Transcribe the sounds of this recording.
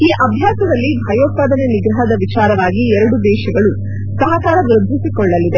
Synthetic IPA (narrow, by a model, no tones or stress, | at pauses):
iːʔɐbʱjaːsɐd̪ɐlːibʱɐjoːt̪̚paːd̪ɐneniɡɾɐɦɐd̪ɐʋit͡ʃaːɾɐʋaːɡiɛɾɐɽud̪ɛːʃɐɡɐɭu | sɐɦɐkaːɾɐdɾɐd̪ʱːisikɔɭːɐlːid̪e